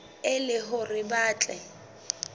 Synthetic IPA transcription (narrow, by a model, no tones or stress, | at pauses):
ɪlɪɦʊrɪbaːt͡ɬʼɛ